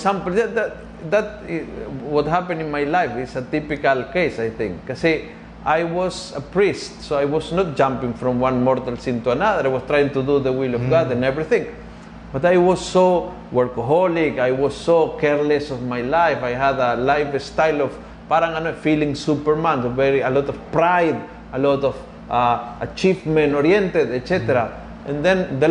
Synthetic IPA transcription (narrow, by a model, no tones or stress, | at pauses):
sãmpljaðat | ðat̪̚ | wɔthapɨ̃nɪ̃nmajlajfɪsət̪ipɪkalkesajθɪ̃ŋkːasi | ʔajwɔsəpɹistsoajwɔsnɔt̚d͡ʒãmpɪ̃ŋfɹɔ̃mwãnmɔɹt̪alsɪ̃nt̪uanaðəɾajwɔst̪ɾajɪ̃ŋt̪ud̪uðəwilɔvɡad̪ɛ̃nɛvɹiθɪ̃ŋ | bat̪ajwɔzːo | waɾkəɦɔlikajwɔsːokɛɹlɛsɔvmajlajfajɦad̪alajvst̪ajlɔv | paɾãŋanɔtfilɪ̃ŋsupəɹmãnsovɛɹialɔt̪ɔvpɾajd̪ | alɔt̪ɔv | aʔat͡ʃivmɛ̃nɔɾjɛ̃nt̪ɛd̪ɛtsɛt̪ɛɾa | ʔɛ̃nd̪ɛ̃nðə